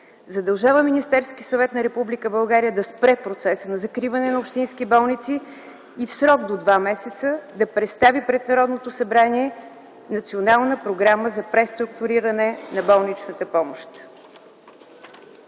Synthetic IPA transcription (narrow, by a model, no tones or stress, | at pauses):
zɐd̪ɐlˠʒavəminist̪ɛɾskisɐvɛt̪nɐɾɛpublikəbɐlˠɡaɾijəd̪ɐspɾɛpɾot̪sɛsənɐzɐkɾivɐnɛnɐopʃt̪inskibɔlˠnit̪siː | fsɾɔɡd̪od̪vamɛsɛt̪səd̪ɐpɾɛt̪st̪avipɾɛd̪nɐɾɔd̪not̪osɐbɾaniɛ | nɐt̪sionalˠnəpɾoɡɾaməzɐpɾɛst̪ɾʊkt̪ʊɾiɾənɛnɐbɔlˠnit͡ʃnət̪əpɔmoʃt̪